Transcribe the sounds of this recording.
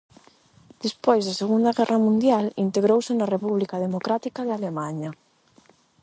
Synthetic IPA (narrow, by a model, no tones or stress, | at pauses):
d̪̥ispojzðaseɣund̪aɣɛrʔamũnd̪jalint̪eɣɾowsɪnɐrepuβlikaðemokɾat̪ikaðalemaɲɐ